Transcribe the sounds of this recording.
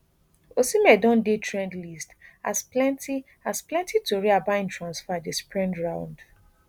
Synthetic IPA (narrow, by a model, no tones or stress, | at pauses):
osimɛdɔ̃ndetʰɹɛ̃ndlista̰splɛ̃nti | asplɛ̃ntʰitoɹiabãɪ̃ntʰɹãnsfadespɹɛ̃ndɹãʊ̃nd